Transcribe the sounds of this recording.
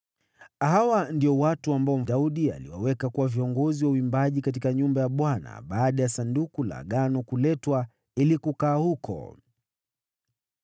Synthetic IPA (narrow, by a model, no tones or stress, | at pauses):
ɦawandiɔwatuambaɔm̩auɗia̰lḭwa̰wɛkakuwaviɔŋɡɔziwauimbaʄikat̬ikaɲumbajaɓwana̰ɓaːɗajasandukula̰ɠanɔkulɛtwa | ilikukaːhukɔ̰